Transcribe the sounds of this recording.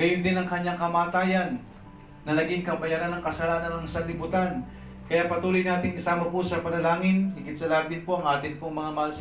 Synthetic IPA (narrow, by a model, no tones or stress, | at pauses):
ɡɐjʊnd̪ɪnɐŋkɐɲːaŋkɐmaːt̪aːjɐnː | ɐnɐɡiŋkɐbɐjaɾanɐŋkɐsɐlaːnɐnɐŋsɐnlɪbut̪an | kɐjapɐt̪uːlojnaːt̪ɪŋkɐsaːmɐposɐpɐnɐlaːŋɪnːɪkɪt̪sɐlɐat̪̚d̪ɪnpo̞ʔɐŋʔaːt̪ɪnpʊŋmɐŋamɐɐls